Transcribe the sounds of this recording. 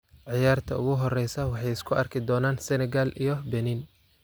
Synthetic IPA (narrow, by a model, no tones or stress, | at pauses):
ʕɑjaːrt̪ʰɐʊ̰ɣʊɦɔrɛjsɐwɑħɑjɪskʰʊɐrkʰɪd̪ɔːnaːnsɛnɛɡalʔijɔbɛnin